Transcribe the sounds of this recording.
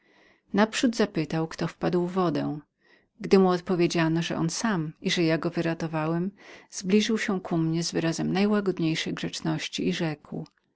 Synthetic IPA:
napʂud̪zapɘt̪awkt̪ɔfpad̪wːɔd̪ɛ̃w̃ | ɡd̪ɘmuɔt̪̚pɔvʲjed͡ʑanɔʐɛ̰ʔɔnsamiʐɛjaɡɔvɘɾat̪ɔvawɛmz̥blʲiʐɘwɕɛ̃kʰumɲɛzvɘɾazɛmnajwaɡɔd̪ɲejʂɛjɡʐɛt͡ʂnɔɕt͡ɕiːʐɛkw

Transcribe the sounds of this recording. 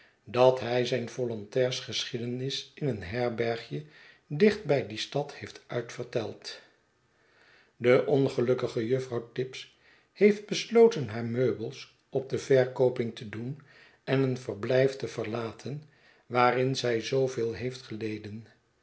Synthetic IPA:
dɑtɦɛjzɛjnv̥ɔlɔntɛːɹsχəsχidənɪsɪnənɦɛɹbɛɹχjə | dɪχd̚bɛjdistɑthejftʔœɥtfəɹtɛlˠt | dəʔɔnχəlɵkəχəjɵfrɑwtɪps | hejfd̚bəslowtənɦaːɹmøɥbəlˠs | ɔb̚dəvɛɹkowpɪŋtədun | ɛnənvəɹblɛjftəv̥əɹlaːtʰən | ʋaːrɪnzɛjzowvɪːlˠɦejftχəlejdən

